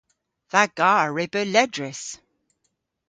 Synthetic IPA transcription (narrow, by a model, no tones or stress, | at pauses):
ðaɡ̥ɑːɹɪbəlɛdɹɪs